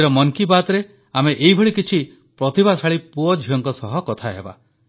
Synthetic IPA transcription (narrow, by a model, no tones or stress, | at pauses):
ɾɔmɔŋkibat̪ɾe | ameʔejbʱɔɭikit͡ʃʰi | pɾɔt̪ibasaɭipuɔd͡ʒʱijɔŋkɔsɔɦɔkɔt̪ʰaɦḛba̰